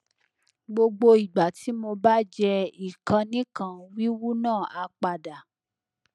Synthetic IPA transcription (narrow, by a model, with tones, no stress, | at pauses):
ɡ͡bo˧ɡ͡bo˧i˨ɡ͡ba˨ti˨˦mo˧ba˦d͡ʒɛ˧i˨kã˧nĩ˦kã˧wi˦wu˦nãː˦˨a˧k͡pa˧da˨